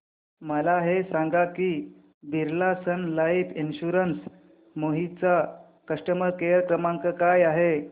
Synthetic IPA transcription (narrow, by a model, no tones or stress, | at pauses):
məlaɦesãŋɡakiː | bʱiɾlasənlaifinɕuɾəns | moɦit͡sa | kəʂʈəməɾkejəɾkɾəmãŋkəkajaɦe